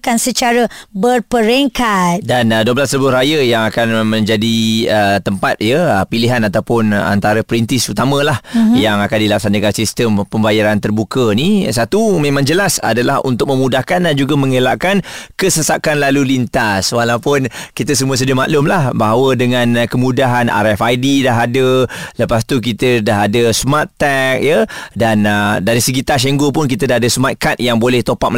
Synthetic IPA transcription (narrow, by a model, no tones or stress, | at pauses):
kansət͡ʃaɾəbərpəɾeŋkat̪̚danduəblasləbʊrajəjaŋakanmə̃ɲd͡ʒadiət̪əmpat̪̚jəpiliɦanat̪awpʊna̰nt̪aɾəpəɾint̪ɪsut̪amə̃lahjaŋakandilapsandəɡaɾasist̪əmpəmbajaɾant̪ərbukənisat̪umẽmãŋd͡ʒəlasa̰dalahṵnt̪ʊk̚mə̃mudahkandand͡ʒuɡamə̃ŋəlaʔkankəsəsakanlalulint̪aswalawpʊnkit̪əsəmuəs̬ədiəmaʔ̪lʊmlahbaɦawədəŋãnkəmudaɦana̰ɾɛfajdidaɦadələpast̪uk̬it̪ədaɦadəsmat̪ːɛk̚jədanədaɾisəɡit̪aʃ̬eŋɡopʊnk̬it̪ədaɦadəsmat̪̚kat̪̚jaŋbolɛht̪opaʔ̚m